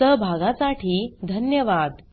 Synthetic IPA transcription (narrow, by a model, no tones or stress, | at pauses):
əbʱaɡãsaʈʰiːd̪ʱənjəʋad̪